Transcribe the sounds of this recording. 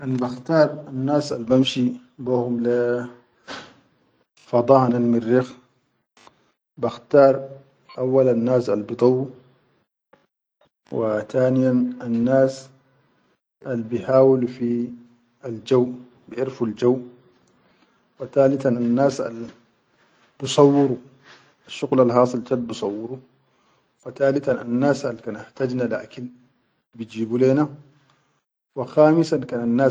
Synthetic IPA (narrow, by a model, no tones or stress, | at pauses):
ʔanbaxt̪ɑːɾˤanːaːsalbamʃi | buhumla | fɑd̪ˤɑːhnanmɪrːix | baxt̪ɑːɾˤ | ʔawːalanːaːsalbid̪ˤɑwːu | wat̪aːnijananːaːs | ʔalbiħaːwɪlfi | ald͡ʒawʔ | bɪʔɪɾfald͡ʒawːʔ | wat̪aːlɪt̪ananːaːsa̰l | bɨsˤɑwːɪɾu | aʃːʊɣlalɦɑːsˤɨlt̪ad̪̚bɨsˤɑwːɪɾu | fat̪aːlɪt̪ananːaːsʔalkaːnaht̪ad͡ʒnala̰ːkɪn | bɪd͡ʒiːbuleːna | waxaːmɪsankaːnanːaː